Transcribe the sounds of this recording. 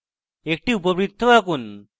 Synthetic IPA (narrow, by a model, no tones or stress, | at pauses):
ek̚ʈiup̬əbɾit̪ʰːɔakun